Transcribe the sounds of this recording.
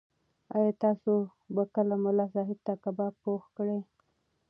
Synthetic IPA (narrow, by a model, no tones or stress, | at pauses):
ajɑt̪ɑso | bakəlamʊlɑsɑɦɪb̪̚t̪akabɑpoxkɽe